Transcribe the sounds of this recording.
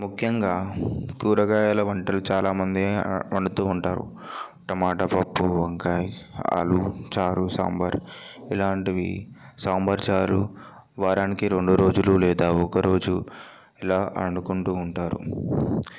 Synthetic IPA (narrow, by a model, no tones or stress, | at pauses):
mukʰjɐŋɡaːkuːɾɐɡaːjalɐʋɐɳʈɐlut͡ʃaːlaːmɐnd̪ieɐɳɖut̪uːɳʈaːɾṵ | ʈ̪ɐmaːʈɐpɐpːuʋɐŋkajɐ̰lut͡ʃaːɾusa̰ːmbɐɾilaːɳʈiʋḭsaːmbɐɾt͡ʃaːɾu | ʋaːɾaːnikiɾe̞ɳɖuɾo̞ːd͡ʒululɛːd̪aːɔkɐɾo̞ːd͡ʒu | ɛlaːʔɐnukuɳʈuːɳʈaːɾṵ